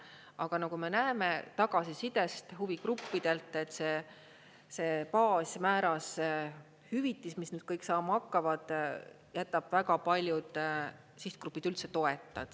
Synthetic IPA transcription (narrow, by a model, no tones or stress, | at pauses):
ɑɡ̥ɑnɑkume̞næeme̞t̪ɑɡ̥ɑsisid̪̥e̞st̪ɦuvikrupːid̪̥e̞lt̪ːˑe̞t̪ːse̞ | se̞ːpɑːsʲmæːɾɑs | hyvit̪ːˑismisnyːd̪̥̚kɤjksɑːmɑɑkːɑvɑd̪̥ | jæt̪ːˑɑb̥væɡɑpɑlʲjud̪̥ | siht̪̚kɾupːˑid̪̥ylt̪se̞t̪o̞e̞t̪ˑːɑd̪̥